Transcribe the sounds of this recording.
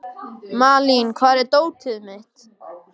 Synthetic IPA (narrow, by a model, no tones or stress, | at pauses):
maːlinkʰvaːɾɛɾt̪oːwt̪ʰɪðmɪht̪